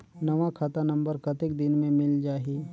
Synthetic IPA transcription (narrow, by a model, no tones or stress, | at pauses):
nɐʋakʰat̪anɐ̃mbəɾkɐt̪ɪkd̪ɪnmẽmɪld͡ʒaːɦiː